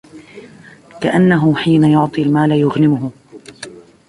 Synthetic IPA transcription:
kaʔanːaɦʊħiːnajʊʕt̪ˤilmaːlajʊɣnɪmʊhʊ

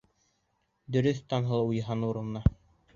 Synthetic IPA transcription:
d̪ɵ̆ɾɵθt̪ɑnɦɤ̆lˠujɦɑnuɾɤ̆nːɑ

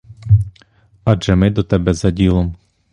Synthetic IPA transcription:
ɑʒɛmɪd̪ɔt̪ɛbɛzɐdʲilˠɔm

